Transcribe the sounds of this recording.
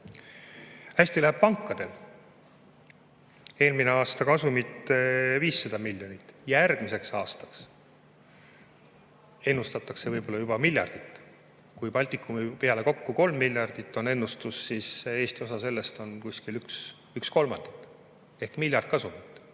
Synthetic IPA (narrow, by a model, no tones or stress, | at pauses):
hæsʲt̪ilæɦeb̥̚pɑŋkːˑɑd̪̥e̞l | e̞ːlmineɑːst̪ɑkɑsumit̪eviːsːɑd̪ɑmilʲjo̞nit̪ːˑjærɡ̥mise̞ksɑːst̪ɑ̥ks | e̞nːust̪ɑt̪ːˑɑkse̞vɤjbo̞lːɑjub̥ɑmilʲjɑ̰rd̪̥it̪ːˑ | kujpɑlʲt̪ikːˑumipe̞ɑle̞ko̞kːuko̞lmːilʲjɑrd̪̥it̪ːˑo̞ne̞nːust̪usːise̞ːsʲt̪io̞sɑse̞lːe̞st̪o̞nkusʲkilyks | yksko̞lmɑ̰nd̪̥ikːˑ | e̞hkmilʲjɑrd̪̥̚kɑsumit̪ːˑ